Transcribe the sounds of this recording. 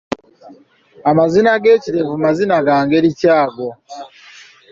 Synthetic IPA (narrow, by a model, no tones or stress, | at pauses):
amazinaɡe̞ːciɾe̞vumazinaɡaːŋɡe̞ɾicaːɡo̞